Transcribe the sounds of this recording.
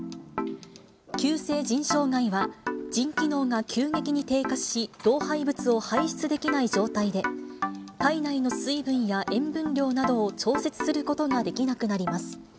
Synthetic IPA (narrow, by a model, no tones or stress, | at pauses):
kʲɨːse̞ːd͡ʑĩɰ̃ɕo̞ːɡaiβad͡ʑĩŋkʲino̞ːŋakʲʰɨːŋe̞kʲiɲ̟it̪e̞ːkaɕiɾ̥o̞ːhaibɯ̟t͡sɨo̞haiɕi̥t͡sɨd̪e̞kʲinaid͡ʑo̞ːt̪aid̪e̞ | k̪ainaino̞sɨibɯ̟̃ɰ̃jaʔẽ̞mbɯ̟̃nɾʲo̞ːnad̪o̞ːt͡ɕo̞ːse̞t͡sɨ̥sɨɾɯ̟ko̞t̪o̞ɡad̪e̞kʲinakɯ̟naɾʲimasɨ̥